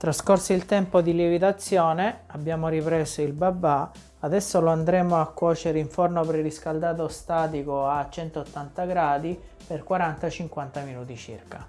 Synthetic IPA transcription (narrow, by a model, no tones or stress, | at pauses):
t̪ɾaskorsilt̪ɛmpod̪ilivit̪at̪sːjɔːneabːjaːmoɾipɾɛːsoilbabːa | ad̪ɛsːoloand̪ɾɛːmoakːwɔːt͡ʃeɾeiɱfornopɾeɾiskald̪aːt̪ost̪aːt̪̬ikoat͡ʃːɛnt̪oːt̪ːant̪aɡɾaːd̪i | perkwaɾant̪at͡ʃiŋkwant̪aminuːt̪it͡ʃḭrka